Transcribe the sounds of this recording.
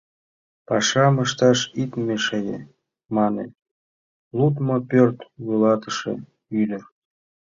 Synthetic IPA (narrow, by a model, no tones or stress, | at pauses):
pɑʃɑməʃt̪ɑʃit̪meʃejḛ | mɑnḛ | lut̪mopørt̪βulɑt̪əʃḛ | yd̪ʲə̆r